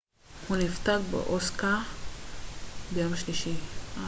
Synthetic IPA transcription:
hunift̪aɡbḛʔoska | bejamʃliʃi

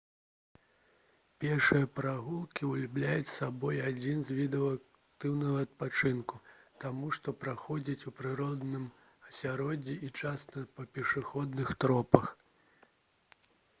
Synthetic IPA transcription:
pʲɛrʂɨjɐpɾaɣulˠkʲiulʲublʲajut͡sʲsabɔjad͡zʲinzʲvʲid̪ɛwak | t̪ɨwnɐɣɐɐt̪̚pat͡ʂɨnkut̪amuʂt̪ɔpɾaxɔd͡zʲit͡sʲupɾɨɾɔd̪nɨm | ɐsʲaɾɔd͡zʲiʔit͡ʂast̪ɐpɐpʲɛʂɨxɔd̪nɨxt̪ɾɔpɐx

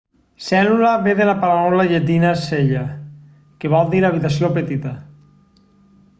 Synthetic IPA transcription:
sɛlulaβeðelapaɾanɔlaʎet̪̬inaseʎa | keβɔlˠd̪iɾaβit̪asjopet̪it̪ɐ

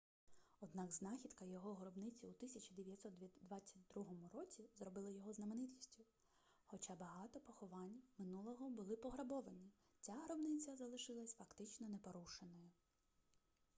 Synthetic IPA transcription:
ɔd̪nɑɡznɑxʲid̪kɐjɔɦɔɦɾɔbnɪt͡sʲiut̪ɪsʲɐt͡ʃɐd̪eʋʲjɐt̪ʲsɔt̪d̪ʋɑt͡sʲːɐt̚ʲd̪ɾuɦɔmʊɾɔt͡sʲizɾɔbɪlˠɪjɔɦɔznɐmenɪtʲisʲtʲʊ | xɔt͡ʃabɐɦɑt̪ɔpɔxɔʋɑnʲmɪnulˠɔɦɔbʊlˠɪpɔɦɾɐbɔʋɐnʲi | t͡sʲaɦɾɔbnɪt͡sʲɐzɐlˠɪʃɪlˠɐsʲfɐkt̪ɪt͡ʃnɔnepɔɾuʃenɔjʊ

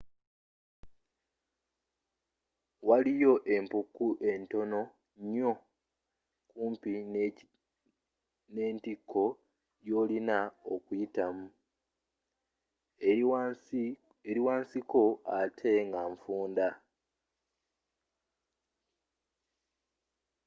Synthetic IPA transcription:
walijo̞ʔe̞mpukːuʔe̞nto̞no̞ | ɲo̞ | kuːmpi | ne̞ːntikʰːo̞ | jo̞ːlinaokujitamu | eɾiwaːnsiko̞atʰe̞ŋɡaɱfuːnda

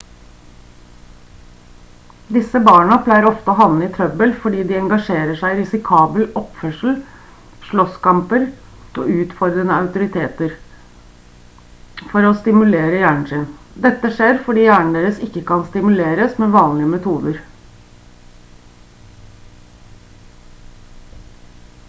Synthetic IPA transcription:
d̪ɪsəbɑːɳɑpʰlæɪəɾɔft̪əoːɦɑnːəɪt̪ʰɾœbəlfɔɖiːd̪ɪɛŋɡɑʂeːɾəʂæɪɪɾɪsɪkʰɑːbəlɔpfœʂl̩ | ʂɭɔskɑmpəɾ | ʔo̰ːʉːt̪fɔɾd̪ɾənəɑʉt̪ʊɾɪt̪ʰeːt̪əɾ | fɔɾɔst̪ɪmʉleːɾəjæːɳɳ̩sɪn | d̪ɛt̪ːəʂeːɾfɔɖiːjæːɳɳ̩d̪eːɾəsɪkːəkɑnst̪ɪmʉleːɾəsmɛʋɑːnlɪəmɛt̪ʰuːd̪əɾ

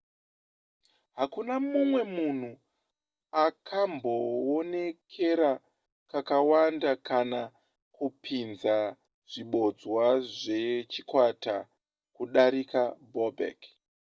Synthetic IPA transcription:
ɦakunamumwe̞mun̤u | akʰambo̞one̞kʰe̞ɾa | kakawandakʰana | kupʰinza | ʐ̥iɓo̞d͡zwaʐe̞t͡ʃikwata | kuɗaɾikabobʱḛk

